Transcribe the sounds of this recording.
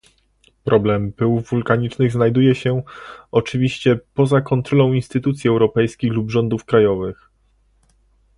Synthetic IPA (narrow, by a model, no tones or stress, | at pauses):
pɾʔɔblɛmpɘwvːulkaɲit͡ʂnɘɣznajd̪ujɛɕɛɔt͡ʂɘvʲiɕt͡ɕɛpɔzakɔnt̪ɾɔlɔ̃w̃inst̪ɘt̪ut̪sʲiɛwɾɔpɛjskʲiɣlubʐɔnd̪ufkɾajɔvɘx